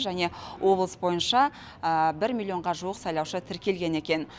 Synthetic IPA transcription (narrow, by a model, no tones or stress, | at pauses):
ʒæne̞wʔo̞blˠəsbo̞jənʃɑ | əbɪɾmʲilʲːˠio̞ɴʁɑʒuəqsɑjlˠɑwʃət̪ʰɪɾkʲe̞lɡʲe̞ne̞kʲe̞n